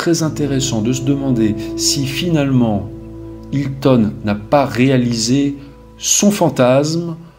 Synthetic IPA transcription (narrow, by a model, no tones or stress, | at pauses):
χɛzɛ̃t̪eʁesɑ̃d̪əsəd̪əmɑ̃d̪esifinalmɑ̃ | ilt̪ɔnːapaʁealize | sɔ̃fɑ̃t̪asm